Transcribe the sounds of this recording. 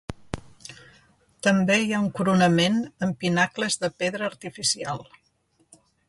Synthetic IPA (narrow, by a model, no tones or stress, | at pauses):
t̪əmbejauŋkuɾunəmenəmpinakləzðəpeðɾəːɾt̪ifisialˠ